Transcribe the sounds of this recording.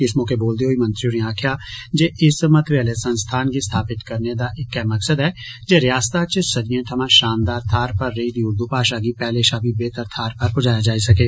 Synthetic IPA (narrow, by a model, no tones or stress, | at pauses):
kɪsmõːkeboːld̪eɦoːimɐ̃nt̪ɾioːniaːkʰjad͡ʒeːʔɪsmɐ̃t̪ɾəːlesɐ̃nst̪ʰaːnkist̪ʰaːpɪt̪kɐɾned̪aʔɪkɛmɐksəd̪ɦɛː | d͡ʒeːɾjaːst̪at͡ʃsɐd̪iẽt̪ʰɐmãːʃaːnd̪aːɾt̪ʰaːɾpɐɾːeid̪iʊɾd̪upaːʃaːɡipɛɦleʃaːbibeːt̪əɾt̪ʰaːɾpɐɾpʊd͡ʒaːjad͡ʒaːisɐkeː